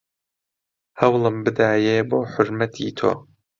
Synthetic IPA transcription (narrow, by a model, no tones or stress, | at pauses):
hɐwlˠɨmbɨd̪aːjeːboːħʊɾmɐt̪ʰḭːt̪ʰo̰ː